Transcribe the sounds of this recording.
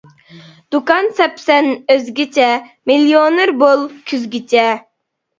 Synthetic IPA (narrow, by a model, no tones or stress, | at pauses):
d̪̥ukɑnsɛpsɛnøzɡʲit͡ʃʰɛmiljonɨɾbolˠkʲʰyzɡʲit͡ʃʰɛ